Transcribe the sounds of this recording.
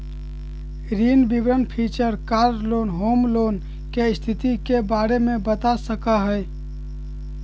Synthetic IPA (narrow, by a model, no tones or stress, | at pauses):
ɾiːnbibɾənpʰiːt͡ʃəɾkaːɾloːnɦoːmloːn | kest̪ʰɪt̪ikebaːɾemẽbət̪asəkaɦəj